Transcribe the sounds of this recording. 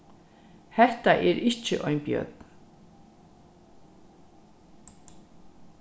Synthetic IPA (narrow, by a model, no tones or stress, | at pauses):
hɛht̪aʔɛːɾɪht͡ʃəʔɔʏnbjœ̰t̪̚n